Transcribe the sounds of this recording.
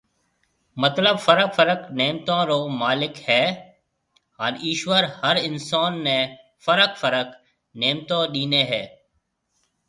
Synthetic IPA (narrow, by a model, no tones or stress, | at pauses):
mət̪ləbfəɾəkfəɾəkneːmt̪ãːɾoːmaːlɪkhɛː | ɦaːniːʃʋəɾhəɾɪnsaːnːẽː | fəɾəkfəɾək | neːmt̪ãːɗiːneːɦɛː